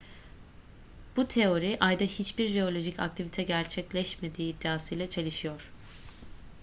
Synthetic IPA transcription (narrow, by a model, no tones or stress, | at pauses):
b̥ut̪ʰe̞o̞ɾiʔajd̪ahit͡ʃbiɾʒe̞o̞lʲo̞ʒicʰa̰k̚t̪ʰivit̪ʰɛɟæɾt͡ʃʰɛclʲɛʃme̞d̪iːd̪ːiaːsɯjlʲɛt͡ʃʰe̞lʲiʃijo̞ɾ̥